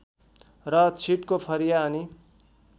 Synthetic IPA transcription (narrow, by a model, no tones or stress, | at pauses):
rʌt͡sʰiʈkopʰʌɾijaʌni